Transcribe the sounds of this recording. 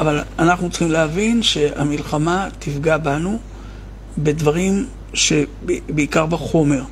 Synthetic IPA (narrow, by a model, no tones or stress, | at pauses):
avalanaχnut͡sχimleavinʃe̞amilχamat̪ifɡabanu | be̞dvaʁim | ʃe̞beikaʁbaχo̞me̞ʁ